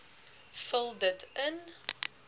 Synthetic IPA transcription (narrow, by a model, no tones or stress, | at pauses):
fəlˠdətən